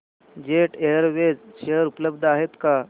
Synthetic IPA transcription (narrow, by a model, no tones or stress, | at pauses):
d͡ʒeːʈejəɾʋed͡ʒʃeɦəɾupləbd̪ʱaːɦet̪ka